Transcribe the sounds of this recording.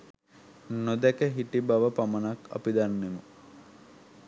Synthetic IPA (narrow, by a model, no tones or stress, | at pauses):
nod̪ækəɦiʈibaʋəpamənaka̰pid̪anːemə